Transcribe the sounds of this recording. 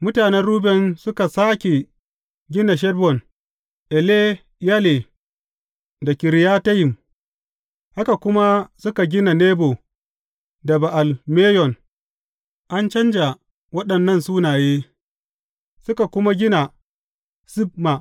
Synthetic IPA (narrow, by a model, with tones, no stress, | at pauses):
mʊ˦taː˨nɛ˦nɽuː˦bɛ˨nsʊ˦ka˨saː˦kʲe˨ | ɡʲɪ˦na˨ʃ̬ɛ˦dbɔ˨n | ʔɛ˨le˦ | ja˦le˨ | da˨kʲɪ˨ɾɪ˨ja˦ta˦jɪ˨m | ha˦ka˨kʷʊ˦ma˦sʊ˦ka˨ɡʲɪ˦na˨neː˦bo˨ | dɐ˨ba˨ʔa˨lmeː˦jɔ˨n | ʔa˦nt͡ʃɐ˦nd͡ʒa˨ | wɐ˦ɗɐ˨nːɐ˦nsuː˦naː˨jeː˦ | sʊ˦ka˨kʷʊ˦ma˦ɡʲɪ˦na˨ | sɪ˦b̚ma˨